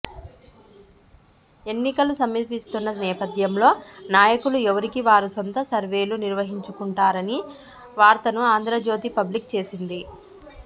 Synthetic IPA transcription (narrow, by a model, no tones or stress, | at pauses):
e̞nːikɐlusɐmːiɾpist̪unːɐnɛːpɐd̪ʱjɐmlo̞ːnaːjɐkuluɛʋɐɾikiʋaːɾusont̪ɐsɐɾʋe̞ːluniɾʋɐɦiɲt͡ʃukuɳʈaːɾɐni | ʋaːɾt̪ɐnuaːnd̪ɾɐd͡ʒo̞ːt̪̬ipɐblik̚t͡ʃe̞ːsind̪i